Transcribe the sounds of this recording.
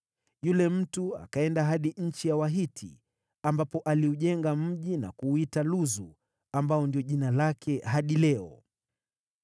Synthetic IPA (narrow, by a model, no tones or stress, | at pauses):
julɛm̩tua̰kaɛndaɦaɗiɲ̩t͡ʃijawaɦitʰḭ | ambapɔʔaliuʄɛŋɡam̩ʄina̰kuːitaluzu | ambaɔndiɔʄinalakʰɛɦaɗilɛɔ